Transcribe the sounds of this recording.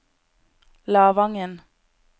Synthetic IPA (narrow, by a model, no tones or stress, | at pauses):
lɑːʋɑŋən